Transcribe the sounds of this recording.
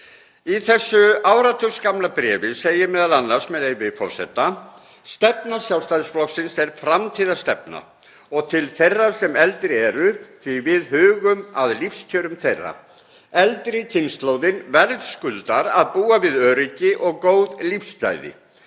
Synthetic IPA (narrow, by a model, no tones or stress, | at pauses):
iθɛsːʏaːwɾat̪ʰʏskamlapɾɛːvɪseːjɪmɛːðalanːaɾ̥smɛðejvɪfɔr̥sɛ̰t̪ːa | st̪ɛpnasjaw̪st̪ajðɪsplɔxksɪnsɛɾfɾamt̪ʰiːðast̪ɛpna̰ | ɔɣt̪ʰɪlθejrːḁsɛmɛlt̪ɾɪɛɾʏθivɪðhʏːɣʏmaðlifsc̪ʰœːɾʏmθejrːa̰ | ɛlt̪ɾɪcʰɪnst̪lowðɪnvɛɾðskʏlt̪aɾaðpuːavɪðœːɾicɪʔɔɣkoːwðlifst̪a̰ːjðɪ̰